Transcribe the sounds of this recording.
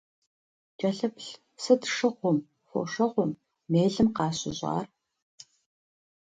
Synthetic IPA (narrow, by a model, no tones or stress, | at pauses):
d͡ʒʼɐɬɐpɬ | sɨdʂɨʁʷɔm | xʷɔ̰ʂɐʁʷɔmː | eːɮɨmqɑːɕɪ̰ʑɑ̰ːr